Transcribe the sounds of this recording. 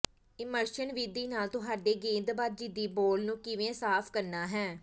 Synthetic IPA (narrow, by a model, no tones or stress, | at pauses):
ɪməɾʃənʋiːd̪iːnaːlt̪ʊɦaːɖeːɡẽːnd̪baːd̪̚d͡ʒiːd̪iːboːlnũːkɪʋẽːsaːpʰkəɾnaːɦɛː